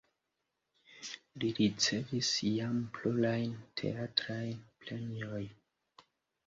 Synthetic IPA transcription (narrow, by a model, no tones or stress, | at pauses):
liɾit͡se̞visjampluɾajntʰe̞̰atɾajnpleniojn